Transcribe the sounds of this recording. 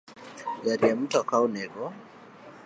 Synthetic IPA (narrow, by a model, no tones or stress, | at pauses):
jaɾiam̩tɔkaunɛɣɔ